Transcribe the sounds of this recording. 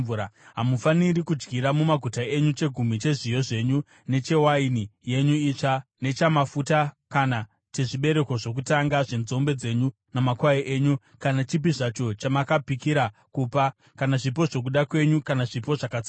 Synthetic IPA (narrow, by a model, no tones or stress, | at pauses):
aɦamufaniɾikud͡ʒɡiɾamumaɡʱutae̞ɲut͡ʃe̞ɡʱum̤it͡ʃe̞ʐijo̞ʐe̞ɲu | ne̞t͡ʃe̞wainije̞ɲuiːt͡ʂane̞t͡ʃamafuta | kana | teʐiɓe̞ɾe̞ko̞ʐo̞k̬utaŋɡaʐe̞nzo̞mbe̞d͡ze̞ɲu | namakwaiʔeːɲu | kanat͡ʃip̬iʐat͡ʃo̞t͡ʃamakapikiɾakuːpa | kanaʐip̬o̞ʐo̞k̬uɗakwe̞ɲukanaʐipo̞ʐakat͡si